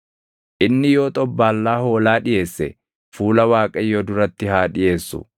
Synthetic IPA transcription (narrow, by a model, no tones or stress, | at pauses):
ʔɪnːɪjo̞ːt̪ʼɔbːaːlːaːho̞ːlaːᶑɪje̞ːsːɛ | fuːlɐwaːkʼɐjoːd̪ʊɾɐt̪ːɪhaːᶑɪje̞ːsːʊ̰